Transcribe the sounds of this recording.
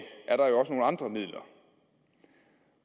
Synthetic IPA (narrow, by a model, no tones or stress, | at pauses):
ʔæɐɾ̥ɑ̈jo̝ɒ̽səno̝ːl̩əɑ̈nd̥ʁɐmið̰ˠlɐ